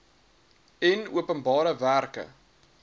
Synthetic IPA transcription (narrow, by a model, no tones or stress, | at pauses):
ɛnuəpənbɑːɾəværkə̰